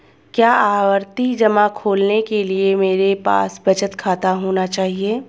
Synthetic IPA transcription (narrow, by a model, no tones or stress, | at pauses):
kjaːaːwəɾt̪id͡ʒɐmakʰoːlnekeliemeːɾepa̰ːsbɐt͡ʃət̪kʰaːt̪aɦoːnat͡ʃaːɦieː